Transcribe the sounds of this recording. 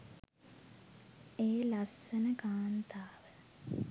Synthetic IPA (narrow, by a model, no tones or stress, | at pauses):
eːlasːənəkaːnt̪aːʋə